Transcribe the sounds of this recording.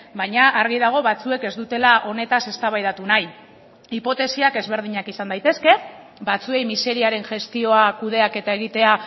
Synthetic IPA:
bajɲaʔːɾɣiðaɣ̞o̞βat͡sue̞ke̞zd̪ut̪e̞laʔo̞ne̞t̪ase̞st̪aβajðat̪unaj | ipo̞t̪e̞siake̞zβe̞ɾðiɲakisand̪ajt̪e̞ske̞ | bat͡sue̞jmise̞ɾiaɾe̞nʝe̞st̪io̞akuð̞e̞ake̞t̪ae̞ɣ̞it̪e̞a

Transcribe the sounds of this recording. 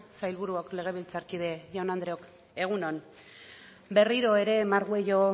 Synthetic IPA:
sajlβuɾuokle̞ɣ̞e̞βilt͡saɾkiðe̞ʝonand̪ɾeok | e̞ɣ̞unon | be̞riɾo̞e̞ɾe̞maɾɣue̞jo̞

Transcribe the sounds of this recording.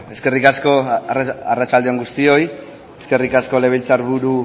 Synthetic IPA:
e̞ske̞rikasko̞ | arat͡ʃald̪eoŋɡust̪io̞j | eske̞rikasko̞le̞β̞elt͡saɾβuɾu

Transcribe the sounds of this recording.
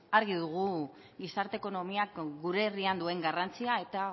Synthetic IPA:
aɾɣiðuɣ̞u | ɡisaɾt̪eko̞no̞miakɡuɾe̞riand̪ue̞ŋɡarant͡siae̞t̪a

